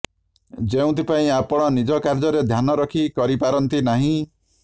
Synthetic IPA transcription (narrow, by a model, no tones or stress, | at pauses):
d͡ʒeũt̪ʰipaĩapɔɽ̃ɔnid͡ʒɔkaɾd͡ʒɔɾed̪ʱjanɔɾɔkʰikɔɾipaɾɔnt̪inaɦĩ